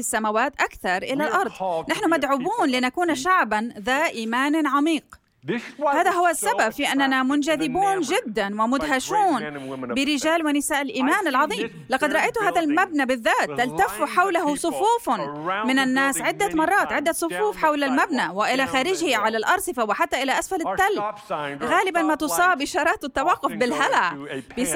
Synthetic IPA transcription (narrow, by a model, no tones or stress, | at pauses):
ɪsːamawaːt̪ʔakθɑɾˤʔɪlalʔɑɾˤd̪ˤnaħnʊmad̪ʕʊbuːnlɪnakuːnaʃaʕbanðaːʔiːmaːnʕamiːq | haːðaɦʊwːasːababfiʔanːanamʊnd͡ʒaðɪbuːnd͡ʒɪd̪ːanwɪmʊd̪ɦaʃuːnbɪɾɪd͡ʒaːlwɪnɪsaːʔɪlʔiːmaːnɪlʕɑðˤiːm | lɑqɑd̪ɾˤɑʔajt̪ʊhaːðalmabnabɪðːaːt̪ːalt̪afuħawlaɦʊsˤʊfuːfmɪnanːaːsʕɪd̪ːamɑrˤːɑːt̪ʕɪd̪ːasˤʊfuːfħawlalmabnawɪʔɪlaxaːɾɪd͡ʒhɪʕalalʔɑɾˤsˤɨfawɪħat̪ːaʔɪlaʔasfalɪt̪ːalbɣaːlɪbanmat̪ʊsˤɑːbɪʃɑːɾˤɑːt̪ɪt̪ːawɑqːʊfbɪlɦalaʔbɪs